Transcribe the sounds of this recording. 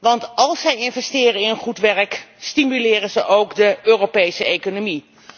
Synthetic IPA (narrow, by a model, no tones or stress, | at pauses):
ʋɑntɑlˠsɛjɪnvɛstɪːrəɪnənχutʋɛrkstimylɪːrənzəʔowkdəøːrowpejsəejkonomi